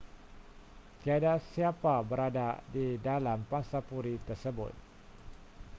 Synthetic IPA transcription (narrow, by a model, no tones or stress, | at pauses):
t̪iadaʔsiapabəɾada̰didalampasapuɾit̪ərsəbʊ̰t̪̚